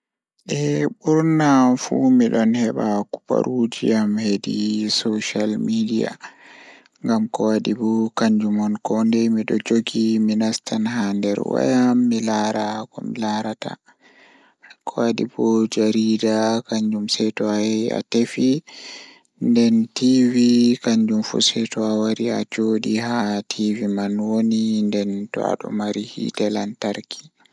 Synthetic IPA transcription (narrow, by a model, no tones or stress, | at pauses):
ʔɛbuɾnafumiɗɔnhɛɓaku̥pa̰ɾud͡ʒiamhedisoʃalmidija̰ | ŋɡamkɔwadibɔkaɲd͡ʒumɔnkɔndɛmiɗɔ̰d͡ʒoɡiminastanhandɛ̰ɾwa̰jamːilaɾakɔmilaɾata̰ | akʰɔaɗibɔd͡ʒaɾidakaɲd͡ʒumsɛtɔaja̰tefi | ndɛntivikaɲd͡ʒumfṵsɛtɔawaɾiad͡ʒoːɗihatʰivimanwonindɛntɔ̰a̰ɗɔ̰maɾihḭtɛlantaɾkʰi̥